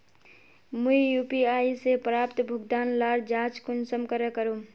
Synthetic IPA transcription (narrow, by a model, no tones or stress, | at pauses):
muijuːpiaːisepɾaːpt̪bʱʊɡd̪aːnlaːɾd͡ʒaːt͡ʃkʊnsəmkəɾəkəɾo